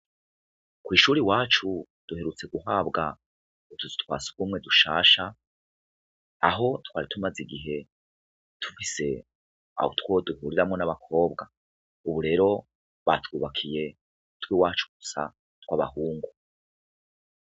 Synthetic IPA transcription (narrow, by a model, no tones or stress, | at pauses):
kwiːʃuːɾiwaːt͡ʃu | d̥uhe̞ɾut͡se̞ɡuɦaːbɡa | utuzi̥twa̰ːsu̥kɡuːmŋe̞duʃa̰ːʃa | a̰ɦo̞twaːɾitumaziɡiɦe̞ | tʰu̥fise̞ | a̰ho̰two̞duhuːɾiɾamŋo̞naβakʰo̞ːbɡa | uβuɾe̞ːɾo̞ | βa̰twuːβakʰije̞ | twiwaːt͡ʃu̥ɡ̥u̥sa̰ | twaβa̰huːŋɡu